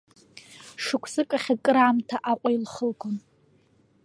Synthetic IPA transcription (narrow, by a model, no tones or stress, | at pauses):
ʂɨkʷʰsɨkʼaχʲakʼɨɾaːmtʰaʔaqʷʼailχəlkʰon